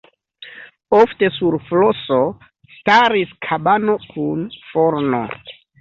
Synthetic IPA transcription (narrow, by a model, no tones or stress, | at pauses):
ofte̞suɾfloso̞ | staɾiskʰabano̞kʰunfo̞ɾno̞̰